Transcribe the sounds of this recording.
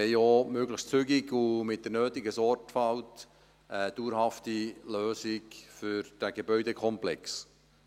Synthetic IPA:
ɛɪoːmøɡləxst͡sʏɡɪɡumɪt̚d̥əɾnøːtɪɡəsɔrtfɑlt | əd̥uːɾhɑftiløːsɪkfʏɾd̥æɡebœʏdekʰɔmplɛks

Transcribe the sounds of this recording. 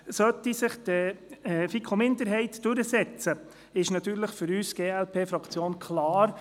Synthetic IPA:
sœt̪ːisɪχd̥̪ɛfikʰomɪnd̪əɾɦɛɪtd̥ɵɾəsɛt͡sə | ɪʃnɑt̪yːɾləχfʏɾyːsɡ̥eːɛlpʰeːfɾɑkt͡sjoːnkʰlɑːɾ

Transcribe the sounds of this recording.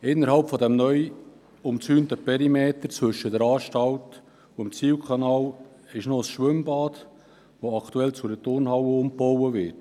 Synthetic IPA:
ɪnːəɾɦɑlpfɔdɛmnœj | ʊmt͡syːntəpʰɛɾimeːt̪əɾt͡svɵʃːəd̥əɾɑːʃtɑlt | uɪmt͡siːwkʰɑnɑːl | ɪʃnoəsʃʋʏmbɑːd | voɑktuɛlt͡sʊdətʊɾnhɑwəʊmpɔwəvɪt

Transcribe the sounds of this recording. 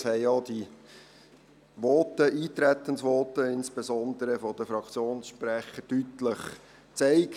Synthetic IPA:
shɛɪod̥̪i | ʋɔtəʔiːt̪ɾæt̪ːənsʋɔːt̪əɪnsb̥ɛsɔnd̪əɾəfɔd̥̪əfɾɑkt͡sjoːnsʃpɾæχətytləχ | t͡sɛɪk

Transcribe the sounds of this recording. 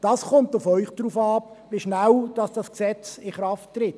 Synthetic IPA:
d̥ɑːsχʊmtʊfɔʏχd̥ɾuːfɑːp | viʃnawd̥ɑsd̥ɑsksɛt͡sɪχɾɑfttɾɪt

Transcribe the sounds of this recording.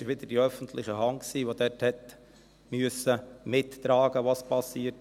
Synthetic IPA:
ɪʃʋɪd̪əd̥iœfən̩tʰlɪχəɦɑŋksiːʋod̥̪ɛthɛt | myəsəmɪtːɾɑːɡ̥əʋɑspʰɑsiːt

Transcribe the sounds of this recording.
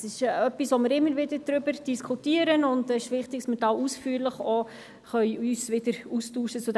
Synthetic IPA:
sɪʃœpisʋomɪɾɪmːəɾvɪdədɾʏbəɾd̥iskʰutiːəɾənʊndɛɪʃʋɪχt̪ɪksmɪtɑusfyːɾləχo | χœʏyːsʋɪdəɾustuːʃət͡sʊd

